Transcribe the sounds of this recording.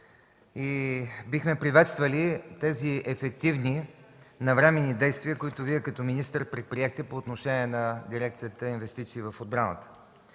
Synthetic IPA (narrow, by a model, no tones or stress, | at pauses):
ibixmɛpɾivɛt̪st̪vəlit̪ɛziɛfɛk̚t̪ivni | nɐvɾɛmɛnːid̪ɛjst̪viəkoit̪ʊviɛkɐt̪ɔminist̪əɾpɾɛt̪̚pɾiɛxt̪ɛpoːt̪noʃɛnʲiɛnɐd̪iɾɛk̚t̪sijət̪əinvɛst̪it̪siːvɐfod̪̚bɾanə̰t̪ə̥